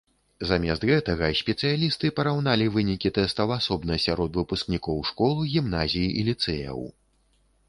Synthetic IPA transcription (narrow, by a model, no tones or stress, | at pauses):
zamʲɛst̪ɣɛt̪ɐɣɐsʲpʲɛt̪sɨjalʲist̪ɨpɐɾawnalʲivɨnʲikʲit̪ɛst̪ɐwasɔbnɐsʲaɾɔt̪vɨpusknʲikɔwʂkɔlˠɨɣʲimn̪azʲijiʔilʲit̪sɛjɐ̰w